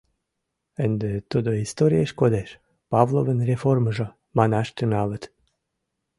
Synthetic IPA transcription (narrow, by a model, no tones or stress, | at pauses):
ənd̪et̪od̪oist̪oɾʲijeʃkod̪eʃ | pɑvlˠovənrʲeforməʒo | mɑnɑʃt̪ynɑlə̆t̪